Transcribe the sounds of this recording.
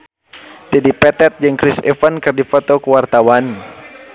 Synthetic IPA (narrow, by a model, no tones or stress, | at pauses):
d͡ʒadipɛt̪ɛt̪̚d͡ʒɨŋkɾɪsɛ̰fankɨrdifot̪okəwart̪awan